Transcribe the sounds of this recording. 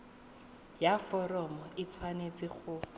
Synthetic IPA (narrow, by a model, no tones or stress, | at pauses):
jafɔrɔmɔɪt͡sʰwanet͡sɪχʊ